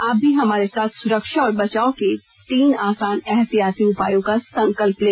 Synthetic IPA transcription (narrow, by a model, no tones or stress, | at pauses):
aːb̚ʱiɦɐmaːɾesaːt̪ʰsʊɾəkʃaɔːɾbɐt͡ʃaːoke | t̪iːnaːsaːnɛɦt̪ijaːt̪iʊpaːjõkasɐ̃ŋkəlpleː